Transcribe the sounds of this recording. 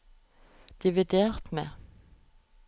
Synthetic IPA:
d̪̥ɪʋɪd̪eːʁt̪mḛː

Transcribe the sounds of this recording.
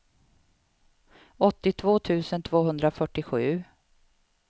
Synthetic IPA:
ɔt̪ːɪt̪ʰvoːt̪ʰʉ̟ːsənt̪ʰvoːɦɵnd̪ɾafœʈːɪɧʉ̟ː

